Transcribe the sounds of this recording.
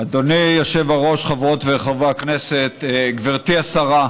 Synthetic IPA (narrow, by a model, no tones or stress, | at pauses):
ad̪onijoʃevaʁo̞ʃχavʁot̪veχavaakneset̪ɡviʁt̪iasaʁa